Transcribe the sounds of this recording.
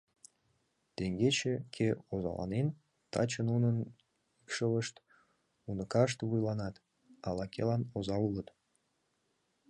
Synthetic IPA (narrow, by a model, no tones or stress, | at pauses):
t̪eŋɡet͡ɕekʰeozɑ̰lɑ̰nen | t̪ɑ̰t͡ɕənunən | ikʃələʃt̪ | unəkɑʃt̪βujlɑnɑt̪ | ɑlɑkʲḛlɑnozɑulət̪